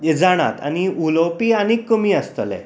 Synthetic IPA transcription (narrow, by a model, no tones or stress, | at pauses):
ed͡zaɽ̃a̰t̪a̰ñiulowpiːañikːəmiːəst̪əlɛ̰̃